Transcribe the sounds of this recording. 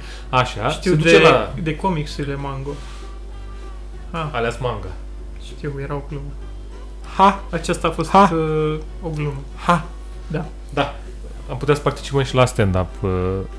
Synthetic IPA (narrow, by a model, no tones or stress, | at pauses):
aʃaʃt̪ised̪ud̪et͡ʃelad̪e̞ko̞miksulemaŋɡo | haaleasmaŋɡa | ʃt̪iwjeɾaoɡlumu | haat͡ʃast̪aːfo̞s | oɡlumu | ha | d̪a | d̪a | amput̪easə̥part̪i̥t͡ʃipəʃilast̪end̪ap